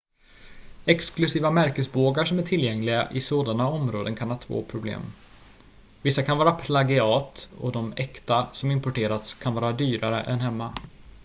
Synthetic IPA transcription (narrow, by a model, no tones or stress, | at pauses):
ɛksklɵsiːvamæɾkəsboːɡaʂɔmæʈʰɪljɛŋlɪɡa̰ʔɪsoːd̪anaɔmɾoːd̪ənkʰanhɑːt̪ʰvo̰ːpʰɾʊblḛːm | vɪsːakʰanvɑːɾapʰlaɡɪɑːt̪ɔ̰d̪ɔmɛkt̪asɔmɪmpʊʈeːɾat̪skʰanvɑːɾad̪yːɾaɾə̰ʔɛ̰nɦɛmːa